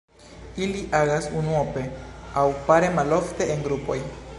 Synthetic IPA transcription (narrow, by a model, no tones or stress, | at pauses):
iliʔaɣasunwopeawpaɾemaloft̪eeŋɡɾupoj